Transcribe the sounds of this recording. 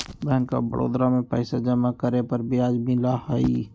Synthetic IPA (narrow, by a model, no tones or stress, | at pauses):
bɛɦənka̰bə̰ɽʔo̰ːd̪ɾamẽpɛɪsad͡ʒəmakəɾepəɾbʱiaːd͡ʒmilahəi